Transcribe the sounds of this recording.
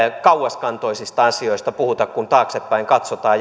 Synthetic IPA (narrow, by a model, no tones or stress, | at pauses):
kɑuwɑskɑnt̪oisist̪ɑɑsioist̪ɑpuhut̪ɑkkunt̪ɑːksepːæiŋkɑt̪sot̪ɑː